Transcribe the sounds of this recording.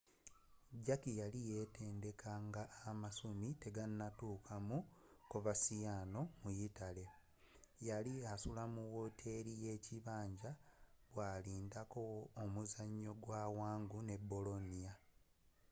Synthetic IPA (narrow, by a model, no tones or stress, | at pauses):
ɟakijalije̞te̞ːnde̞kʰaŋɡaːmasumite̞ɡanːatuːkʰamukovasijano̞mujitale̞ | jaliasulamuwotʰe̞ɾije̞ːciβaːɲɟaβwaːliːndako̞ːmuzaɲːo̞ɡwawaːŋɡune̞bːo̞lo̞nija